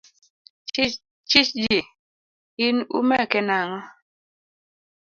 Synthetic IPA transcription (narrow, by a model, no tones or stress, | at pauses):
t͡ʃit͡ʃd͡ʒe | inṵmɛkɛnaŋɔ